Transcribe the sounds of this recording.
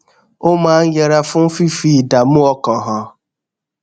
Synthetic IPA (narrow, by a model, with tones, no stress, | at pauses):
ʊ˦ma˨˦ŋ̩˦je˨ɾa˦fʊ˦m̩˦fi˦fi˦˨da˨mʊ˦ɔ˦kɔ˨ɦɔ˨